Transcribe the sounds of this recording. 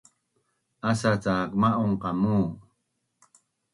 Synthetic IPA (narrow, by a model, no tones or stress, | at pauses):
asat͡sakmaʔoɴqamuː